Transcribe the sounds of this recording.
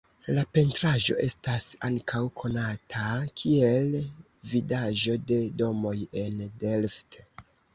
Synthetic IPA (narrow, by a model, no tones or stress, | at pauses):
lape̞ntɾaʒo̞̰ʔe̞stasaŋkʰawkʰo̞natʰakʰie̞l | vidaʒo̞de̞do̞mo̞je̞ndelft